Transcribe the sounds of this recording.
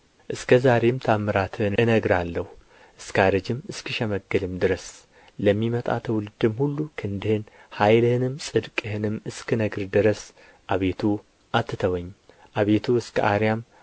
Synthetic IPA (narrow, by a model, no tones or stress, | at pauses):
ʔɨskʰəzaɾe̞mt̪ʰamːɨɾat̪ʰɨnɨnəɡɾalːəhu | ʔɨskaɾɨd͡ʒɨmɨskʰɨʃɛməɡːɨlɨmd̪ɨɾəs | ləmːimət̪ʼa̰t̪ʰəwlɨd̪ɨmhulːukʰɨnd̪ɨhɨnhajlɨhɨnɨmsʼɨd̪kʼɨhɨnɨmɨskʰɨnəɡɨɾd̪ɨɾəs | ʔaβe̞t̪ʰu | ʔat̪ʰːɨt̪ʰəwəɲː | ʔaβe̞t̪ʰuɨskʰʔaɾjam